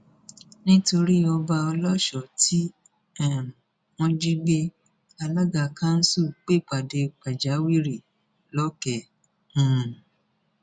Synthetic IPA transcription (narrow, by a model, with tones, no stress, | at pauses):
nĩ˦to˧ɾi˦ɔ˧ba˧ɔ˧lɔ˦ʃɔ˨tʰi˦ | ɛ˦˨ | wɔ̃˧d͡ʒĩ˦ɡ͡be˧ | a˧la˦ɡa˧˨kã˦n̩˦su˦˨k͡pe˦˨k͡pa˨de˧k͡pa˨d͡ʒa˨˦wi˦ɾi˦˨ | lɔ˦kɛ˨ | ũ˨